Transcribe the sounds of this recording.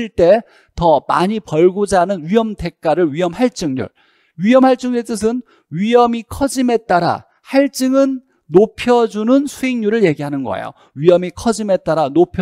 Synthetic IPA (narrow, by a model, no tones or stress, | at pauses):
ɭt͈e̞ | tʌma̰ɲipʌɭɡud͡ʑanɯnɥiɦʌmde̞k̚k͈aɾɯɭɥiɦʌmhaɭt͡ɕ͈ɯŋɲṵɭ | ɥijʌmhaɭt͡ɕ͈ɯŋɲuɭt͈ɯs̬ʰɯn | ɥijʌmikʰʌd͡ʑime̞t̚t͈aɾa̰ | haɭt͡ɕ͈ɯŋɯnː | opʰjʌd͡ʑunɯnsʰueŋɲuɾɯɭje̞ɡiɦanɯnɡʌ̰ḛjo̰ | ɥiʌmikʰʌd͡ʑime̞t͈aɾanopʰjʌ